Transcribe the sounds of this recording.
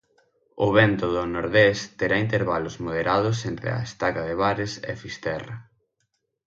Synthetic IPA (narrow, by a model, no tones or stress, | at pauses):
ʊ̰βɛnt̪ʊðʊnoɾðest̪eɾaint̪eɾβalʊzmoð̞eɾað̞ʊs̬ent̪ɾḛa̰est̪akaðeβaɾesḛfist̪ɛrɐ